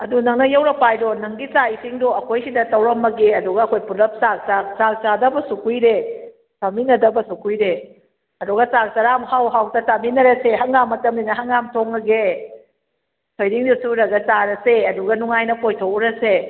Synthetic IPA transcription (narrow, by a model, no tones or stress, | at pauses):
ɐdunɐŋnɐjewɾɐpajdonɐŋɡit͡ʃaisiŋdoɐkʰojsidɐtɐwɾɐmːɐɡeɐduɡɐːkʰojpulɐp̚sak̚sasak̚t͡ʃadɐbɐsukʰujɾe | tɐminɐdɐbɐsukʰujɾe | ɐduɡɐt͡ʃak̚t͡ʃɐɾamhawɦawtɐtaminɐɾɐseɦɐŋɡamːɐtɐmninɐɦɐŋːamtʰoŋɐɡe | tʰojdiŋdusuɾɐɡɐt͡ʃaɾɐseɐduɡɐnuŋajnɐpojtʰowɾɐse